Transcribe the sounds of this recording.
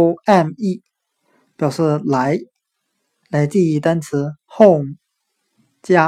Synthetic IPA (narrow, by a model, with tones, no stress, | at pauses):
ʊa˥˧ni˥˩ | pjɑ˨˩ʊʂɻ̩˥˩la˨˧˥ɪ | la˧˥ɪt͡ɕi˥˧i˥˩t̪a˥nt͡sʰɹ̩˧˥xo˥˩ʊ | t͡ɕja˥